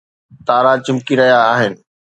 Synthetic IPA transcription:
t̪aːɾat͡ɕɐ̃mkiɾɐɦijaːɦɪnɪ̆

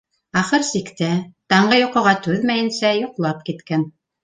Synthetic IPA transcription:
ɑχɤɾsikt̪æt̪ɑɴɢɤjoqɤ̆ʁɑt̪ʉðmæjɘ̆nsæjoqlˠɑp̚kit̪kæn

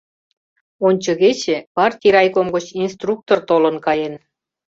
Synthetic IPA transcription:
onʲt͡ɕə̆ɣet͡ɕĕpɑrt̪ʲiɾɑjkomɡə̆t͡ɕinst̪ruk̚t̪ort̪olənkɑjen

